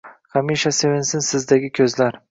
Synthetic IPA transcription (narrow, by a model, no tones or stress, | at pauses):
kʰamiʃase̞vɪnsɪnsɪzd̪aɡʲɪkʲʰɵzlaɾ